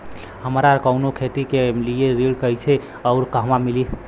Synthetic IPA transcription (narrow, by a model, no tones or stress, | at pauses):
həmɾakəʊnokʰet̪ikelijeɾilkəjt͡ʃʰe | əʊɾkəɦmamili